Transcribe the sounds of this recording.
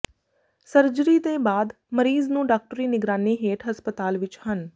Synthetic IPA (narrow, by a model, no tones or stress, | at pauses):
səɾd͡ʒəɾit̪ẽːbaːd̪ | məɾiːznũːɖaːk̚ʈəɾiːnɪɡɾaːniɦeːʈʰɦɐspət̪aːlʋɪt͡ʃhən